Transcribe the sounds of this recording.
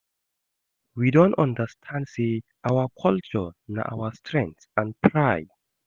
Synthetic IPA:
widõntɔ̃ndəstʰãndseʔawəkʰɔlt͡ʃɔ̰na̰ʔa̰wəstʰɹɛ̃ŋsãnpʰɹaɪd

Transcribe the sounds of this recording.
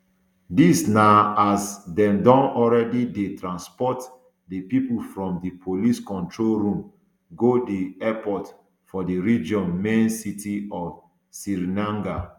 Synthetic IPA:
disnaasdɛ̃mdɔ̃nɔlɹɛdidetɹãnspɔt | dipipulfɹɔ̃mdipʰoliskɔ̃ntɹolɹũm | ɡodiɛpɔt | fɔdiɹid͡ʒɔ̃nmẽnsitiɔf | siɾinãŋɡa

